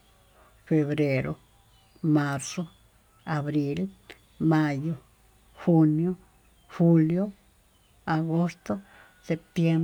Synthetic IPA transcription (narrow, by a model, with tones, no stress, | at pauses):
fe˧βɾe˧ɾʔo˧ | ma˧ɾso˦ | a˨βɾi˧l | ma˧jo˧ | xu˧njo˦ | xu˧ljo˦ | a˨ɡo˦st̪o˦ | se˧p̚t̪je˧m